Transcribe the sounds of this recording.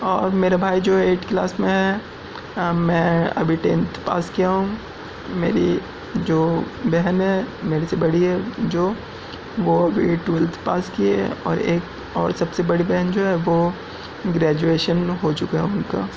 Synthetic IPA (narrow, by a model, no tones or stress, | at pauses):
ɔːɾmeːɾabʱaːid͡ʒoːeːʈklaːsmẽɦɛ | mɛ̃ɐ̰bʱiʈḛːnt̪pa̰ːskijaɦũːɡ | meːɾi | d͡ʒoːbɛɦənɦɛmeːɾesebɐɽiɦɛd͡ʒoː | ʋoɐbʱḭʈuːlt̪ʰpaːskiɦɛ̰ɔ̰ːɾeːk | ɔːɾsɐbsebɐɽibɛɦənd͡ʒoːɦɛʋo | ɡɾɛːd͡ʒueːʃənɦot͡ʃʊkaɛʊnkaː